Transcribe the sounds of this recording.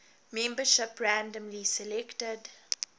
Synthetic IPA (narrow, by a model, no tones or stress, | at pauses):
mɛ̃mbəʃɪpɹæ̃ndə̃mlisɛlɛktəd